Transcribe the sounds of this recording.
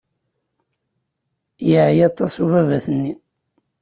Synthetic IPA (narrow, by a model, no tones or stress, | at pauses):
jəʕijɑt̪ˤːɑsuvævæθənːi